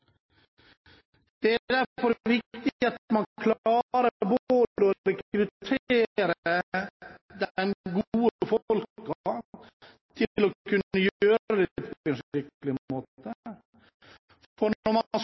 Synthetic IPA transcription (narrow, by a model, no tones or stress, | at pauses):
d̪̥ɛæd̪æɾfɔɾʋɪkt̪ɪɑt̪mɑnkʰlɑːɾəɾbooːd̪d̪əɔɾɛkɾʉt̪ʰeːɾə | d̪mɡuːəfɔlkɑ | t̪ʰɪlɔkʰʉnːəjøːɾɾəd̪ɛpʰɔɛnʂɾɪkəlɪəmoːt̪ə | fɔɾɔɾmɑs